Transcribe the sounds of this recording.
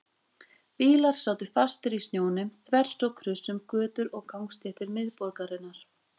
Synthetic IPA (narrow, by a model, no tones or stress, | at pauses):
piːlaɾ̥saːwt̪ɪfast̪ɪɾisnjoːwnʏmθvɛr̥st̪ɔkʰɾʏsʏmkœːt̪ʏɾɔɣkawŋkst̪jɛht̪ɪɾmɪðpɔɾkaɾɪnːaɾ̥